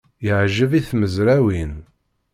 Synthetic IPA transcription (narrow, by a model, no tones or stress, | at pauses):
jəʕʒəviθməzɾæwin